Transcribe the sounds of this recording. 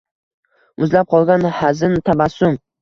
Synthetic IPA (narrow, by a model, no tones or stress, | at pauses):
ʊzlap̚qʰɒlˠɡʲanhazɪnt̪ʰabasːʊm